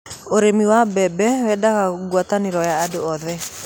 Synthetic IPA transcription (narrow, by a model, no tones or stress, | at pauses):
oɾemiwabɛbɛwɛdakaɡwat̪anɪɾɔjaːdoɔðɛ